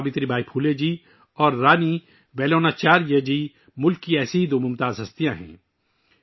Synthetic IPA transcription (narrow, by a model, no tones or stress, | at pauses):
bɪt̪ɾibʱaːipʰuːled͡ʒiː | ɔːɾːaːni | ʋɛːloːnat͡ʃaːɾjəd͡ʒiː | mʊlkːiɛːseɦid̪oːmʊmt̪aːzɦɐst̪ijãɦɛ̰̃ː